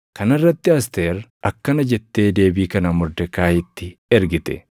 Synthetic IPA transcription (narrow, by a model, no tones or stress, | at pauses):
kɐnɐrːɐt̪ːɪɐst̪eːɾɐkːɐnɐd͡ʒɛt̪ːe̞ːd̪e̞ːbiːkɐnɐmʊɾd̪ɛkaːjɪt̪ːɪɛɾɡɪt̪ɛ̰